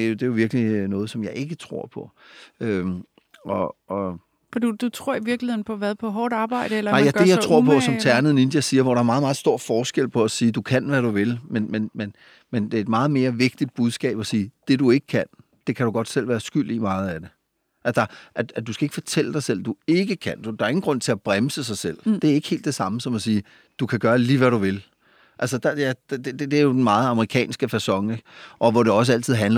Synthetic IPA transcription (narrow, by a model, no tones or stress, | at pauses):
d̥e̝joʋiɐɡ̥linɔ̽ːð̩ˠsɒ̽mjɑ̈ɪʔe̝ɡ̥ət͡sʰʁo̝ɐ̰pʰɒ̽ø | ʔɒ̽ɒ̽ | fɒd̥ud̥ut͡sʰʁo̝ɐ̰iʋiɐɡ̥liheð̰ˠn̩pʰɒ̽ʋæðˠpʰɒ̽ɦɒːdɑ̈ːb̥ɑ̈ɪ̰d̥əelɐɑ̈ɪæd̥ejɑɪt͡sʰʁo̝ɐ̰pʰɒ̽sɒ̽mt͡sʰæɐnəð̩ˠnind̥jæsiːɐʋɒɾ̥ɑ̈æɐmɑ̈ːð̩ˠɑ̈ːð̩ˠsd̥o̝ɐ̰fɒːsɡ̥el̰pʰɒ̽æsiːd̥ukʰæn̰ʋæɾ̥uʋe̝lmenmenmen | mend̥e̝ed̥mɑ̈ːð̞̩ˠme̝ːɐʋe̝ɡ̥̚d̥id̥̚b̥uðˠsɡ̥ɛ̰ːb̥ɒsiːd̥e̝due̝ɡ̥ə̥kʰæn̰ | d̥e̝kʰæɾ̥uɡ̥ɒ̽d̥sel̰ʋæːɐsɡ̥yl̰d̥imɑ̈ːð̞̩ˠæd̥e̝ | ʔæsdɑ̈ʔæ̥æd̥uskæe̝ɡ̥fɒt͡sʰel̰əd̥ɑɪsel̰d̥ue̝ɡ̥əkʰæn̰d̥ud̥ɑ̈ɐe̝ŋn̩ɡʁɔ̽n̰t͡sʰe̝æb̥ʁaməsəsɑ̈ɪsel̰d̥e̝æɐe̝ɡ̥he̝̰ld̥esɑ̈məsɒ̽mæsiː | d̥ukʰæɡ̥ɶːɐliːʋæɾuʋe̝l | ʔæls̬əd̥ɑ̈jæd̥d̥d̥ed̥eæɐjo̝d̥enmɑ̈ːð̩ˠɑ̈məʁikʰɛ̰ːnsɡ̥əfæsɒ̽ŋeɡ̥ʔɒ̽ʋɒɾe̝ɒ̽s̬əæl̰t͡sʰið̰ˠɦænl